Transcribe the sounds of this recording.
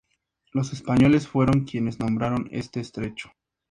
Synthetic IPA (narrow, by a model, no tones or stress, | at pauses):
lo̞se̞spaɲo̞le̞sfwe̞ɾo̞ŋkje̞ne̞znõmbɾaɾo̞nḛst̪e̞ːst̪ɾe̞t͡ʃo̥